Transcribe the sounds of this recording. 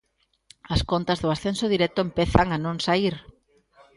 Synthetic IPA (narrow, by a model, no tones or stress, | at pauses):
askont̪azðʊasθensoð̞iɾɛt̪ʊempeθaŋanõŋsaiɾ